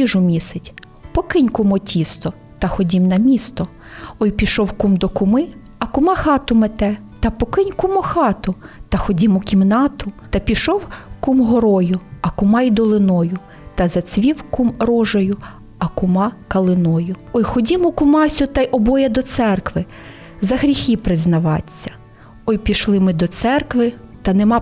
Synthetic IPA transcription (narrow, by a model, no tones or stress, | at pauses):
iʒʊmʲisɪtʲ | pɔkɪnʲkʊmɔtʲist̪ɔ | t̪ɐxɔdʲimnɐmʲist̪ɔ | ɔjpʲiʃɔwkumd̪ɔkʊmɪ | ɐkʊmɑxɑt̪ʊmet̪ɛ | t̪ɐpɔkɪnʲkʊmɔxɑt̪ʊt̪ɐxɔdʲimʊkʲimnɑt̪ʊt̪ɐpʲiʃɔwkumɦɔɾɔjʊɐkʊmɑjd̪ɔlˠɪnɔjʊ | t̪ɐzɐt͡sʲʋʲiwkumrɔʒɔjʊ | ɐkʊmɑkɐlˠɪnɔjʊɔjxɔdʲimʊkʊmɑsʲʊt̪ɑjʔɔbɔjɛd̪ɔt̪sɛrkʋɪ | zɐɦɾʲixʲipɾɪznɐʋɑt͡sʲːɐ̥ | ɔjpʲiʃlˠɪmɪd̪ɔt̪sɛrkʋɪt̪ɐnemɑ